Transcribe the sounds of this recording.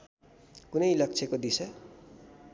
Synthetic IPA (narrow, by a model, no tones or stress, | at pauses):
kunʌjlʌk̚t͡sʰekod̪isʌ